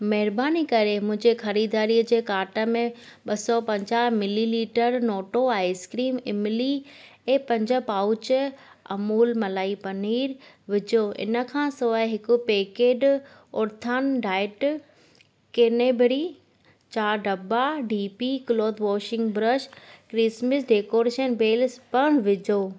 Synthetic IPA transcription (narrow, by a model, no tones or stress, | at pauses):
mɐɦɪɾbaːnikɐɾemʊ̃ɦɪ̃ɲd͡ʑexɐɾiːd̪aːɾiəd͡ʑeːkaːʈə̆mẽɓɐsɔpɐ̃ɲd͡ʑaːɦmɪliliːʈəɾnɔːʈoaːɪskɾiːmɪmɪli | ɛ̃ːpɐ̃ɲd͡ʑə̆paːʊt͡ɕ | ɐ̰muːlmɐlaːipɐniːɾ | ʋɪd͡ʑoːʔɪ̰nə̆kʰãːsoaɦɪkʊpeːkeːɖ | ʊɾt̪ʰaːnɖaːɪʈ | keːneːbʱɾi | t͡ɕaːɾɖɐbaɖiːpikloːd̪ʋɔːʃɪ̃ŋɡbɾəʃkɾɪsməsɖeːkoːɾeːʃənbeːlspɐɽ̃ʋɪd͡ʑoː